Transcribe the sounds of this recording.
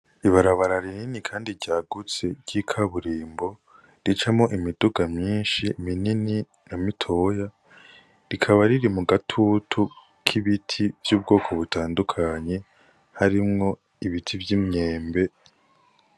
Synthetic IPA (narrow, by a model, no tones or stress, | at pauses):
iβaɾaβaɾaɾininikʰaːndiɾɟaːɡut͡se̞ɾɟ̥ikʰaβuɾiːmbo̞ | ɾit͡ʃamŋo̞ʔimiduɡamɲiːnʃiminini | namitʰo̞ja | ɾikʰaβaɾiɾimuɡatʰutʰu | kʰiβitʰivjuːbɡo̞ːkʰo̞βutʰaːndukʰaɲe̞ | haɾimŋo̞ | iβitʰivjimɲe̞ːmbe̞